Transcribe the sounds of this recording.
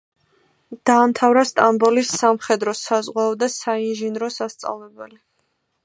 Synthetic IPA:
d̪̥aːmt̪ʰavɾast̪ʼambɔlisamχɛd̪ɾɔsazʁwaɔd̪asainʒinɾɔsast̪sʼa̰vlɛbɛli

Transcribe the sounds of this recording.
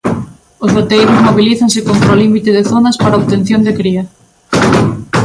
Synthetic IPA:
ʊzβot̪ejɾʊzmoβiliθɐŋsɪkont̪ɾaolimit̪eðɪθonɐspaɾaoβt̪en̟θjond̪ekɾiɐ

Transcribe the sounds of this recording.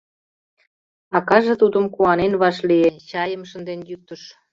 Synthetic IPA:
ɑkɑʒĕt̪ud̪ə̆mkuɑnenβɑʃlient͡ɕɑjəmʃə̆nd̪enjyt̪ːəʃ

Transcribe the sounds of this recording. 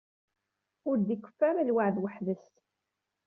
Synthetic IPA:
ʊɾd̪ikʷːə̥fːaɾalwaʕðwəħðəst̪

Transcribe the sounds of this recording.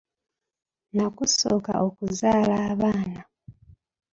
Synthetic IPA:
nakusoːka̰ʔokuzaːlaːβaːna

